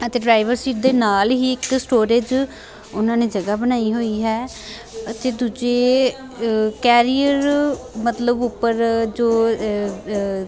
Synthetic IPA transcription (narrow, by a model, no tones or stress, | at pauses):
ət̪eːɖɾaːɪʋəɾsiːʈ̚d̪eːnaːlɦiːɪksʈoːɾeːd͡ʒ | ʊnãːneːd͡ʒəɡaːbənaːiɦoːiɦɛː | ət̪eːd̪uːd͡ʒeː | kɛːɾijəɾmət̪ləbʊpːəɾd͡ʒoː